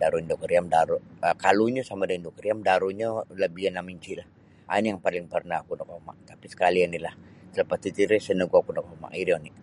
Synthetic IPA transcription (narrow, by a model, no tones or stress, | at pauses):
daɾuindokəɾiamdaɾuəkaluɲasamadaindokəɾiamdaɾuɲaləbianamiɲt͡ʃilah | anijaŋpalɪŋpərnaakunakɔma̰t̪apisə̥kalianilaht̪ələpat̪it̪iɾɛsənəɡuakunakoma̰ʔiɾiɔni